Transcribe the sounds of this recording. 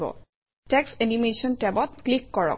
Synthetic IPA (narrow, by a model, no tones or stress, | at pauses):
bɔ̰ | tɛksenimesɔntɛbɔt̚klikːɔɹɔ̰k